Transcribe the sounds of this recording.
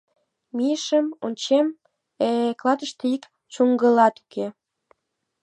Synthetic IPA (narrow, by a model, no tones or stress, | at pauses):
mijəʃəmonʲt͡ɕem | eklɑt̪əʃt̪eik | t͡ʃuŋɡəlɑt̪u̥ke